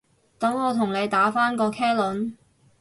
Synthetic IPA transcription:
t̪ɐ˨˥ŋɔː˨˧t̪ʰʊ˨˩ŋne˨˧jt̪aː˨˥faː˥nkɔː˧kʰɛː˥lʊ˨˥n

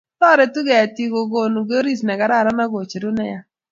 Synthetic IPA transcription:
tɔ˦˨ɾɛ˨tu˦ɡɛ˨ja˨ti˦ɡo˨ɡo˨nu˨ɡɾi˦snɛ˨ɡa˨ɾa˦˨ɾa˦na˦ɡo˨t͡ʃe˨ɾu˦nɛ̰˦ja˦

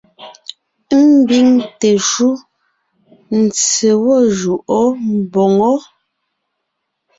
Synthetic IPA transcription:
m˦bi˦ŋte˨ʃu˦ | n̩˨t͡se˨wɔ˦˨ʒu˨ʔɔ˦m̩˨bɔ˨ŋɔ˦

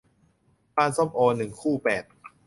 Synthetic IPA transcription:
paː˥˧˨nsɔ˥˩mʔoː˧nɯ˨˩ŋkʰuː˥˩pɛː˨˩t̪̚

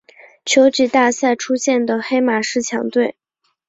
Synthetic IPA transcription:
t͡ɕʰjo˧˥ʊʈ͡ʂi˨˩t̪a˥˧sa˥˩ɪʈ͡ʂʰu˥ɕjɛ˥˩nd̪ə˩xe˥ɪma˨˩ʂɻ̩˥˩t͡ɕʰjɑ̰˧˥ŋt̪we˥˩ɪ

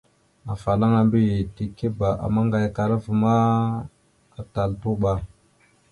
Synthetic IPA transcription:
a˨fa˨la˦ŋa˨mbi˦je˨ti˨ke˦ba˨ʔa̰˨ma˦ŋɡa˨jka˨ɾa˦vu˨ma˦ | a˨ta˨lpu˦ɓa˨

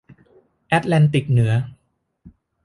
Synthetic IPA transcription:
ʔɛ˦˥t̪̚lɛ˧nt̪i˨˩k̚nɯ˩˦ɐ

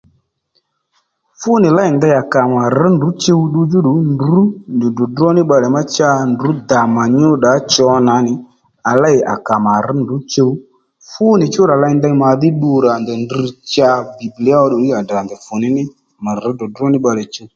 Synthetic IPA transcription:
fʊ˦nɪ˨la˦ɪ˨nd̪a˧ja˨ka˨ma˨ɾɪ˨˦ndu˨˦t͡ʃe˧u˦ɗu˧d͡ʒʊ˦ɗʊ˨˦ndu˨˦ndɪ˨dʊ˨dɔ˦nɪ˦ɓa˧lɛ˨ma˦t͡ʃa˧ndu˨˦d̪a˨ma˨ɲʊ˦ɗa˨˦t͡ʃɔ˧na˨˦nɪ˨ | a˨la˦ɪ˨ʔa̰˨ka˨ma˨ɾɪ˨˦ndu˨˦t͡ʃe˧wu˦ | fʊ˦nɪ˨t͡ʃʊ˦ɾa˨la˦ɪ˧nd̪a˧˦ma˨ðɪ˦ɗu˧ɾa˨nd̪ɔ˨ndi˧t͡ʃa˧bi˨bli˨˦a˦ɔ˧ɗʊ˨li˦a˨da˨nd̪ɛ˨fʊ˨nɪ˨˦nɪ˦ | ma˨ɾdɔ˨drɔ˦nɪ˦ɓa˧lɛ˨t͡ʃe˧

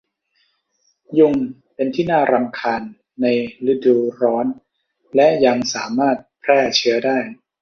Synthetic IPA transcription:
ju˥˩ŋ | pe˧nt̪ʰiː˥˩naː˥˩ɾa˧mkʰaː˧nː | a˧jlɯ˦˥duː˧ɾɔː˦˥n | lɛ˦˥ʔja˧ŋsaː˩˦maː˥˩t̪̚pʰɾɛː˥˩t͡ɕʰɯ˦˥ɐdaː˥˩j

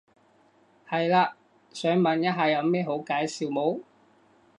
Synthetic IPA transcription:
hɐ˨jlaː˧ | sœː˨˥ŋmɐ˨˩njɐ˥ɦaː˨jɐ˨˧wmɛː˥˩ɦo˨˥wkaː˨˥jsiː˨wmo˨˥w

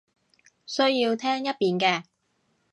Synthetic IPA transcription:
sɵ˥ɥjiː˧wt̪ʰɛː˥ŋjɐ˥t̚piː˨nkɛː˧

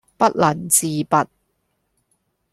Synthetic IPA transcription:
pɐ˦˥t̚lɐ˨˩nt͡siː˨˧pɐ˨t̚

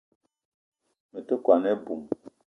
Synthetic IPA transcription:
mə˨tə˦kwa˨nɛ˦bu˨m

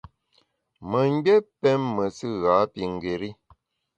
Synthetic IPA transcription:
mə˨ŋ̩˦ɡ͡bɛ˦pɛ˦mːə˨sɨ˦ɣaː˨˦pi˨ŋ̩˨ɡe˨ɾi˦

